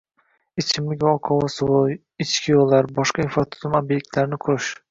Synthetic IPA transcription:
ɪt͡ʃʰɪmlɪkʲɒqʰɒwɒswʊ | ɪt͡ʃkʲʰɪjolˠːaɾbɒʃqɑinfɾat̪ʰʊ̥zʊmobje̞k̚ʲt̪ʰlaɾɪnɪkʰʊɾɪʃ

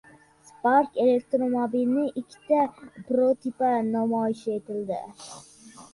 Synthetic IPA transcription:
spaɾkelek̚t̪ɾomɑbilnɪʔikʲʰːi̥t̪ɛpɾot̪ʰipɛnɑmɑːjɪʃet̪ɪld̪ɪ̰

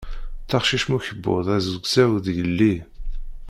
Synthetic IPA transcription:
θɑχʃiʃmuçəbːo̰ðˤæzəɡsæwðjəlːi

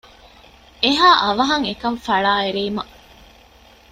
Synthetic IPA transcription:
eɦaːʔɐʋɐɦɐŋekɐɱfɐɭaːeɾeːmɐ

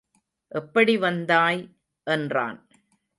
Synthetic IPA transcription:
ʔɛpːɐɽiʋɐnd̪aːj | ʔɛndra̰ːn

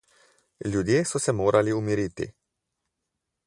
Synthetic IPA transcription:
lʲud̪iesosemoɾaliumiɾit̪ḭ

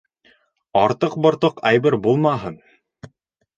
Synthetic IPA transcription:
ɑɾt̪ɤq̚bɤ̆ɾt̪ɤqæjbɘɾbulˠmɑɦɤn

